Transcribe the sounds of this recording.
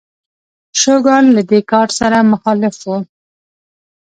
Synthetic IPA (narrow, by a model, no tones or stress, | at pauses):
ʃoɡɑllad̪ekɑʈsaɾamʊxɑlɪfwo